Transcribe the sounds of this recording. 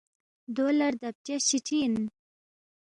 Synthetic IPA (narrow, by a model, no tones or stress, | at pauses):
d̪olaɾd̪ap̚t͡ʃjaɕiʈʰin